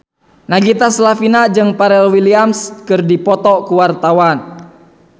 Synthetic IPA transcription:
naɡit̪aslafinad͡ʒɨŋpaɾɛlwiliamskɨrdipɔt̪ɔkuwart̪awan

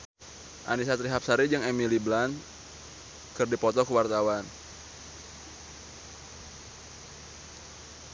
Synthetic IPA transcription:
ʔa̰nisat̪ɾiɦap̚saɾid͡ʒɨŋɛmiliblan | kɨrdipɔt̪ɔkəwart̪awan

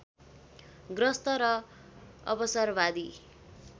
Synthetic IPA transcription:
ɡrʌst̪ʌɾʌ | ʌbʌsʌrbad̪i

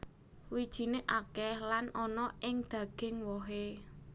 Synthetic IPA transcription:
wid̥ʒ̥i̤neʔakɛhlanʔɔnɔʔɪŋd̪̥ä̤ɡ̥ɪ̤ŋwɔɦe

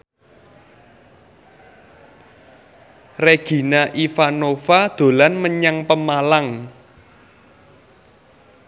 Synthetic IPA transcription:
reɡ̥i̤naʔifanofad̪̥o̤lanməɲaŋpəmalaŋ

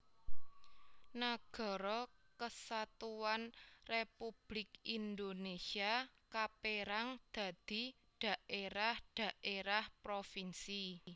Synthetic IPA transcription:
naɡ̥ɔ̤ɾɔkəsat̪uwanrepub̥lɪkind̪onesiakapeɾaŋd̪̥ä̤d̪̥i̤ | ɖ̪̥a̤ʔeɾahɖ̪̥a̤ʔeɾahpɾofinsi

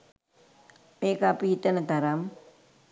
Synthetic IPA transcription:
meːkapiit̪ːɐnɐt̪ɐɾɐm

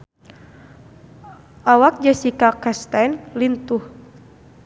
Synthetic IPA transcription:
ʔawak̚d͡ʒasikakast̪ajnlint̪uh

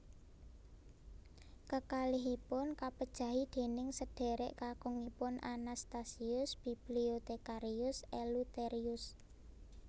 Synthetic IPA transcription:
kəkaliɦipʊnkapəd̥ʒ̥ä̤ɦid̪̥e̤nɪŋsəɖ̥ɛ̤ɾɛʔkakɔŋipʊnanast̪asiʊsb̥i̤b̥liot̪ekaɾiʊselut̪eɾiʊs

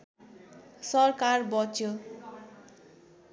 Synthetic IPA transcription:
sʌrkarbʌt͡sjo

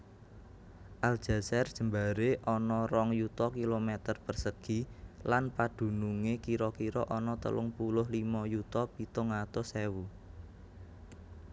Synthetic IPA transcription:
ʔald̥ʒ̥a̤sɛrd̥ʒ̥ə̤mbaɾeʔɔnɔrɔŋjut̪ɔkilomɛt̪ərpərsəɡ̥i̤lanpad̪̥ṳnuŋekiɾɔkiɾɔʔɔnɔt̪ə̰lʊŋpulʊɦlimɔjut̪ɔpit̪ʊŋat̪ɔsewu

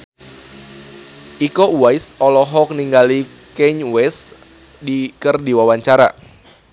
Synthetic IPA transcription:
ʔikɔuwajsɔlɔɦɔk̚niŋɡali | kɛɲwɛs | dikərdiwawaɲt͡ʃaɾa̰

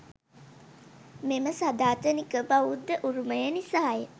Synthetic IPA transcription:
meməsad̪aːt̪ənikəbaʋud̪ːəʔuɾuməjənisaɦaje

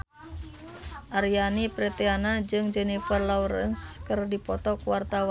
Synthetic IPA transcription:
ʔaɾijanipɾɛt̪ɛanad͡ʒɨŋd͡ʒɛnifərlɔɾə̰nskɨrdipɔt̪ɔkuwart̪awa

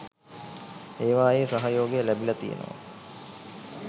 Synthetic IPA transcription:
eːʋaːjeːsaɦajoːɡejəlæbilɐt̪ijḛnʔə̰ʋə̰

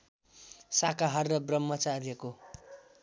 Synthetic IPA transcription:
sakaɦʌrːʌbrʌmːʌt͡sarjʌko

